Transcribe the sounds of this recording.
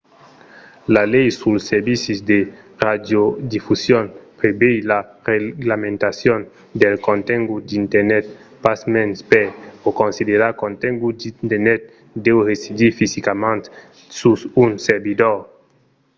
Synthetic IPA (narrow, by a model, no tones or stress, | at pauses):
lalɛjsulseɾbisizd̪e | rad̪jod̪ifusjonpɾebejlareɡlamẽnt̪asjon | d̪elkõnt̪ɛŋɡud̪int̪eɾnɛt̪̚pasmɛnspeokõnsid̪eɾakõnt̪ɛ̃ŋɡud̪int̪eɾnɛt̪̚ | d̪ɛwresid̪ifizikamẽnt̪ | susunseɾbid̪oɾ